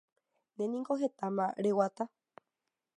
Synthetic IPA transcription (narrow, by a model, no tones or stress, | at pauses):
nẽnĩŋkoɦet̪amã̰ɾewat̪a